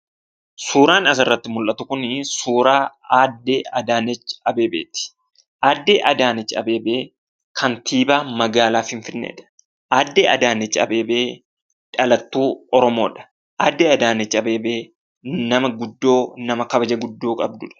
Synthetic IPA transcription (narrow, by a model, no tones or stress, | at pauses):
suːɾaːnɐsɪrːɐt̪ːɪmʊlʔɐt̪ʊkʊnɪsuːɾaːaːd̪ːe̞ːɐd̪aːnɛt͡ʃːɐbe̞ːbḛːt̪ɪ̥ | ʔaːd̪ːeːʔɐd̪aːnɛt͡ʃːɐ̰be̞ːbe̞ː | kʰɐnt̪ʰiːbaːmɐɡaːlaːfhɪɱfɪnːḛːᶑɐ̥ | ʔaːd̪ːeːɐd̪aːnɛt͡ʃːɐ̰be̞ːbe̞ː | ᶑɐlɐt̪ːuːɔɾɔmo̞ːᶑɐ̥ | ʔaːd̪ːeːɐd̪aːnɛt͡ʃːɐbe̞ːbe̞ː | nɐmɐɡʊd̪ːo̞ːnɐmɐkɐbɐd͡ʒɐɡʊd̪ːoːkʼɐb̚d̪ʊᶑɐ̥